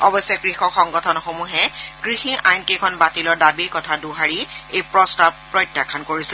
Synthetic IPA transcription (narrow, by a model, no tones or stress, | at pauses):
ɔbɔsɔkɹixɔkxɔŋɡɔtʰɔnɔxomuɦɛɡ̥ɹixiʔajnkekʰɔnbatilɔɹdabiɹkɔtʰaduɦaɹiejpɹɔstabpːɹɔjtjakʰankoɹisɛ